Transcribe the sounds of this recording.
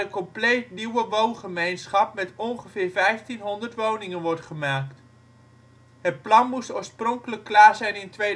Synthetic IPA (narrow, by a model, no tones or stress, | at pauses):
əkɔmplejtniwəʋownχəmejnsχɑp̚mɛtɔnχəv̥ɪːɹvɛjftinɦɔndərtʋownɪŋənʋɔɹtχəmaːkt | ɦət̚plɑnmusoːɹsprɔŋkələkːlaːɹzɛjnɪntʋe